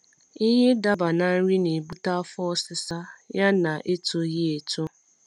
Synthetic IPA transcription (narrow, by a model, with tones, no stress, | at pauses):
ɪ˦ɦe˦da˦ba˨na˦n̩˦ɾi˦ne˨bu˦ta˦fɔ˦ɔ˦sɪ˦sa˦ja˦na˨ʔe˦to˨ɣi˦e˨to˦